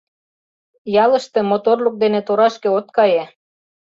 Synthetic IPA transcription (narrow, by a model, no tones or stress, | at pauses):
jɑləʃt̪ĕmot̪orluk̚d̪enet̪oɾɑʃkĕot̪̚kɑje